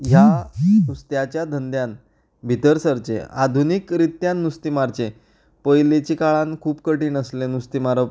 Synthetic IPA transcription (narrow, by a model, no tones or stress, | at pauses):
ɦjanust̪jat͡ɕjad̪ʱənd̪jan | bʱit̪əɾsəɾt͡ɕḛad̪ʱunikɾit̪janːust̪imaɾt͡ɕe | pəjlet͡ɕikaɭãnkʰuːpkəʈiːnəslenust̪imaɾə